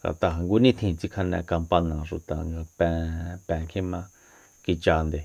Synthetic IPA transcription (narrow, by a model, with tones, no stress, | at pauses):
ɡa̰˨t̪a˧ɦa˨ŋɡu˧˦nĩ˦t̪ʰĩ˧t͡si˧kʰa˧nɛ̃˧ka˧mpa˧nã˨ʃu˨t̪a˨ŋɡa˧pɛ̃˧pɛ̃˧kʰĩ˦mã˧ | ki˧t͡ʃa˧nd̪e˨